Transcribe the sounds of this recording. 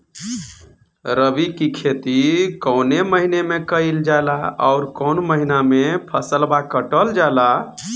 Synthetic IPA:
ɾəbikikʰet̪ikɔʊneməɦinemẽkəild͡ʒalaɔ̰ʊɾkɔʊnməɦinamepʰəsəlbakəʈəld͡ʒala

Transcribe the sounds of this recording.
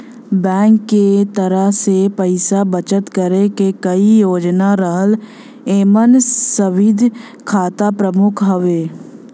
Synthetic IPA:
bɛ̃ːŋkːet̪əɾəɦsepəɪsabət͡ʃət̪kəɾekekɐijoːd͡ʒnaɾəɦəl | eːmənsəʋɪd̪ʱ | kʰaːt̪apɾəmʊkʰɦəʋeː

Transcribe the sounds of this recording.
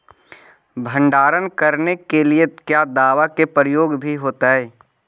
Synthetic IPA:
bʱə̃ɳɖaːɾənkəɾnekeliekjaːd̪aːʋakepɾəjoːɡbʱiɦoːt̪aɦɛː

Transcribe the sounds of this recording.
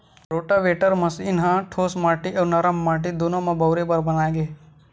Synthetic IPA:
ɾoːʈaʋeːʈəɾmɐsinɦãʈʰoːsmaːʈiʔɐnɐɾəmːaːʈ̬id̪unõmãbɐwɾebɐɾbɐnaːɡeː

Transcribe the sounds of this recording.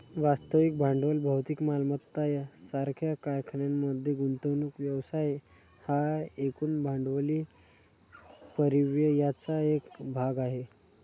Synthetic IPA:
ʋast̪əʋik̚bʱãɳɖʋəlbʱəwt̪ikmalmət̪ːajasaɾkʰjakaɾkʰɳjamːəd̪ʱjeɡuɳt̪əʋnukʋjəʋsaj | haekuːnbʱãɳɖʋəliː | pəɾiʋjəjat͡saekbʱaɡaɦe

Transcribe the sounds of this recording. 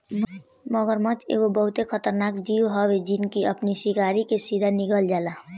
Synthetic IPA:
məɡəɾmə̃t͡ʃḛːɡobəɦʊt̪ekʰət̪əɾnakd͡ʒiuɦɔbed͡ʒɪnkiəpnisikaɾikesiɾaniɡəld͡ʒala

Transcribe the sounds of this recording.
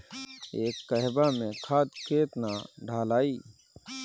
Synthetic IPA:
eːkːəɦbamẽkʰaːt̪keːt̪naɖʱaːlaːiː

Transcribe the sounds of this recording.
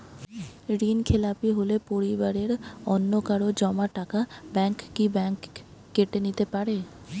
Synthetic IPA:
ɾiːnkʰelaːpiɦolepoɾibəɾeɾɔnːokaɾod͡ʒɔmaʈaːkabɛ̃ːŋkːibɛ̃ːŋkː | eʈenit̪epaɾeː

